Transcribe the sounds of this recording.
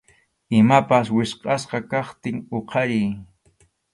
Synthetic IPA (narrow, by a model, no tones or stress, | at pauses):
ɪmapaswɪsqʼɑsqɑkɑχt̪ɪŋoqʰɑɾɪj